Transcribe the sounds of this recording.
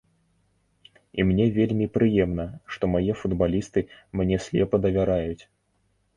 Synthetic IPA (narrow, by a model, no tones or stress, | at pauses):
imnʲɛvʲelʲmʲipɾɨjɛmnɐʂt̪ɔmajɛfud̪balʲist̪ɨmnʲɛsʲlʲɛpɐd̪ɐvʲaɾajut͡sʲ